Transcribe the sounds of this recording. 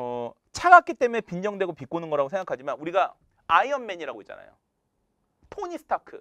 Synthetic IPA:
ʌ | t͡ɕʰaɡak͈it͈e̞mune̞pind͡ʑʌŋdwe̞ɡopik͈onɯnɡʌɾaɡosʰe̞ŋɡakʰad͡ʑimanuɾiɡa | aiʌnme̞ɲiɾaɡoit͡ɕ͈a̰na̰jo̰ | tʰoɲisʰɯ̥tʰakʰɯ̰

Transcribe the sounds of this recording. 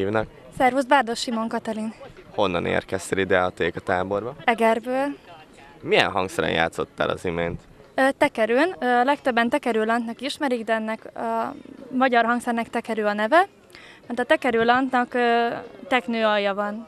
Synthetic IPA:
iːvnɒk | sɛrvuzbaːrd̪o̞ʃːimo̞ŋkɒt̪ɛlinho̞nːɒnḛːrkɛst̪ɛlid̪ɛɒt̪eːkɒt̪aːbo̞rbɒɛɡɛrbøːl | mijɛ̰nɦɒŋksɛɾɛ̰njʔa̰ːt̪so̞t̪ːa̰ːlɒ̰zimeːnt̪ː | t̪ɛkɛɾøːnɒlɛkt̪øbːɛnt̪ɛkɛɾøːlɒnt̪nɒkiʃmɛɾiɡd̪ɛɛnːɛkɒmɒɟɒrɦɒŋksɛrnɛkt̪ɛkɛɾøːɒnɛvɛ | mɛrt̪ɒt̪ɛkɛɾøːlɒnt̪nɒkøt̪ɛknøːɒjːɒvɒn

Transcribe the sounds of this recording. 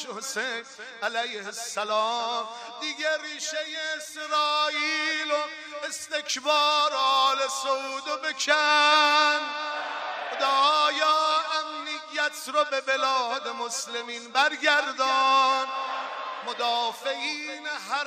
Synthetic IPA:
hosejn | ælæjhesːælɑːm | d̪iɡeɾiːʃejeːsɾɒːʔiːlo | est̪e̞kʰbɒːɾɒlesoud̪obekʰæ | nd̪ | xod̪ɒːjɑːæmnijːæt̪ʰɾɔbe̞be̞lɒːd̪emoslemiːnbæɾɡæɾd̪ɔːn | mod̪ɒːfeʔiːneɦæ

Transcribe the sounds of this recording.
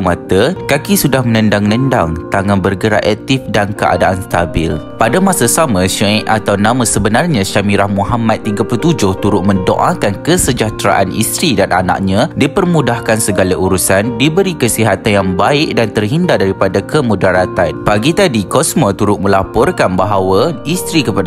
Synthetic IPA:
mat̪əkakisudahmə̃nə̃ndaŋnəndaŋt̪aŋanbərɡəɾa̰ʔɛk̚t̪ifdankəʔa̰daʔanst̪abɪ̰lpadamãsasamãʃũʔat̪awnãmãsəbənarɲãʃamiɾahmũɦamãt̪ːiɡaplut̪ud͡ʒʊht̪uɾʊʔ̚mə̃ndo̰ʔakankəsəd͡ʒat̪ɾaʔanʔḭst̪ɾidanʔa̰nã̰ʔ̚ɲãdipərmũdahkansəɡalaʔuɾusandibəɾikəsiɦat̪anjaŋbaɪk̚dant̪ərɦindadaɾipadakʰəmũdaɾat̪anpaɡit̪adikɔsmɔt̪uɾʊtʔ̪̚mə̃lapɔrkanbaɦawaist̪ɾikəpa

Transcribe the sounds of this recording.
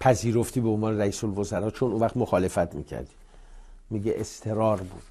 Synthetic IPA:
pʰæziːɾoft̪ʰiːbeonvɒːneɾæiːsolvozæɾɒːt͡ʃʰonuvæχt̪moxɒːle̞fæt̪ʰmḭːcʰæ̰ɾd̪iː | miːɟeʔest̪ʰe̞ɾɒːɾbuːd̪̥

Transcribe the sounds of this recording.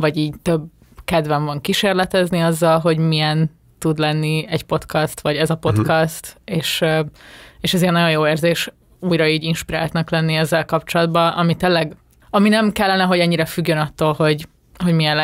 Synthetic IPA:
vɒɟiːɟt̪øb | kɛd̪vɛɱvɒŋkiʃeːrlɛt̪ɛzniɒzːɒlɦo̞ɟmijɛn | t̪ud̪lɛnːiɛɟpo̞t̪kɒst̪ʋɒɟɛzɒpo̞t̪kɒst̪eːʃ | eːʃɛzinːɒjo̞njoːeːrzeːʃ | uːjɾɒiːɟinʃpiɾaːlt̪nɒklɛnːiɛzːɛlkɒpt͡ʃo̞lɒd̪bɒʔɒmit̪eːlːɛɡ | ɒminɛmkɛlːɛnɛɦo̞ɟɛɲːiɾɛfyɡːønɒt̪ːoːlɦo̞ɟ | ho̞ɟmiɛnl

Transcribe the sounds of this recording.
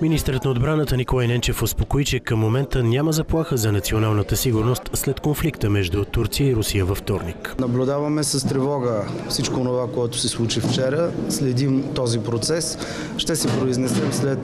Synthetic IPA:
minist̪əɾət̪nɐod̪bɾanət̪ənikolˠajnɛnt͡ʃɛfʊspokoit͡ʃɛkəmːomɛnt̪ənʲaməzɐplˠaxəzɐnɐt̪sionalˠnət̪əsiɡʊɾnost̪slɛt̪konflikt̪əmɛʒd̪ut̪uɾt̪sijəiɾʊsijəvɐft̪ɔɾniknɐblʲʊd̪avɐmɛsɐst̪ɾɛvɔɡəfsit͡ʃkoːnovakoɛt̪ʊ̥sɛslˠut͡ʃift͡ʃɛɾəslɛd̪imt̪ɔzipɾot̪sɛs | ʃt̪ɛsɛpɾoiznɛsɛmslɛt̪

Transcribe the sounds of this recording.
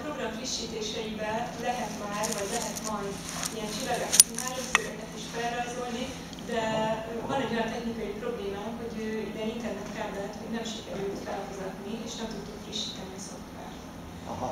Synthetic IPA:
pɾo̞ɡrɒɱfriʃːiːt̪eːʃɛjibɛlɛɦɛt̪maːɾvɒɟlɛɦɛt̪mɒjd̪ | ijɛnt͡ʃilːɒɡɛkt̪maːløbzøɾɛkɛt̪iʃfɛlrɒzo̞lni | d̪ɛvɒnɛɟojɒnt̪ɛçnikɒjipro̞bleːmaːmho̞ɟøːd̪ɛint̪ɛrnɛt̪fɛllɛɦɛt̪ho̞ɟnɛmʃikɛɾøt̪fɛlfuzɒt̪nieːʃnɛmt̪ut̪ːukfriʃːiːt̪ɛniɒso̞k̪ː | a̰rt̪

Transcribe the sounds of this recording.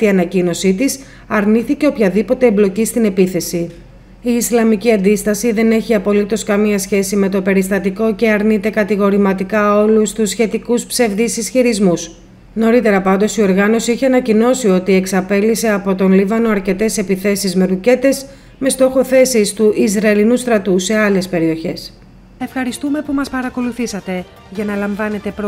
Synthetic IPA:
t̪iɐnɐcino̞sit̪is | ɐɾniθice̞opçɐðipo̞t̪e̞ːblo̞cist̪ine̞piθe̞si | iːslɐmiciɐnd̪ist̪ɐsiðe̞ne̞çiɐpo̞lit̪o̞skɐmiɐsçe̞sime̞t̪o̞pe̞ɾist̪ɐt̪iko̞ce̞ɐɾnit̪e̞kɐt̪iɣo̞ɾimɐt̪ikɐo̞lust̪usçe̞t̪ikuspse̞vðisisçiɾizmus | no̞ɾit̪e̞ɾɐpɐnd̪o̞sio̞ɾɣɐno̞siiçeɐnɐcino̞sio̞t̪ie̞ksɐpe̞lise̞ɐpo̞t̪o̞nlivɐnoɐɾce̞t̪e̞se̞piθe̞sizme̞ɾuce̞t̪e̞s | me̞st̪o̞xo̞θe̞sist̪uʔizɾɐelinust̪ɾɐt̪use̞ɐle̞spe̞ɾio̞çe̞s | e̞fxɐɾist̪ume̞pumɐspɐɾɐko̞luθisɐt̪e̞ | ʝɐnɐlɐɱvɐnet̪e̞pɾ

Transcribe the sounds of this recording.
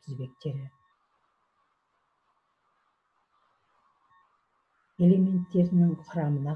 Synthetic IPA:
t̪ʰɪzbe̞k̚t̪ʰe̞ɾɪ | e̞le̞me̞nt̪ːe̞ɾɪnɪŋqʰʊɾɑmənɑ

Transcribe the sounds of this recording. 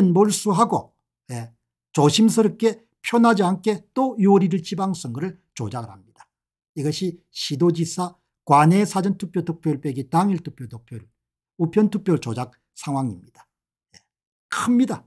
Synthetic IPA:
ɯnmoɭs͈uɦaɡo̰ | je | t͡ɕoɕʰims̬ʰɯɾɯk͈e̞ | pʰjonɦad͡ʑiankʰe̞t͈ojuʌɾiɾɯɭt͡ɕibaŋs͈ɯŋɡɯɾɯɭ | t͡ɕo̰d͡ʑaɡɯɾhamɲid̥ḁ | iɡʌɕʰi | ɕʰidod͡ʑisʰa | kwanesʰad͡ʑɯntʰuk̚pjotuk̚p͈ʰjoɭp͈eɡitaŋiɭtʰuk̚p͈ʰjotok̚p͈ʰjoɭ | upʰjʌntʰuk̚p͈joɭt͡ɕod͡ʑak̚ | sʰaŋɦwaŋimɲid̥ḁ | je | kʰɯmɲida

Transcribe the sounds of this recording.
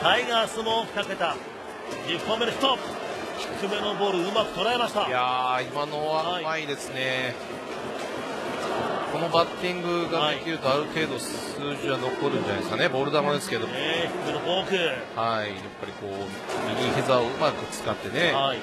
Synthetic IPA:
kaiɡaːsɨmoːɸɯ̥t̪ake̞t̪a | dipːome̞noçi̥t̪opː | ç̥i̥kɯ̟me̞no̞bo̞ːɾɯ̟ɯ̟makɯ̟t̪oɾae̞maɕi̥t̪ajaimano̞amaid̪e̞sɨne̞ | ko̞nobat̪ːĩŋɡɯ̟ɡad̪ekʲiɾɯ̟t̪o̞aɾɯ̟t̪e̞ːd̪o̞s | ɨːʑiβano̞ko̞ɾɯ̟̃ɲd͡ʑanaeskane̞bo̞ːɾɯ̟d̪amad̪e̞sɨ̥ke̞d̪o̞meçi̥kɯme̞noboːkɯhaijapːaɾʲiko̞ː | mʲiɲʲihezaoɯ̟makɯ̟t͡sɨ̥kat̪ːe̞ne̞ai

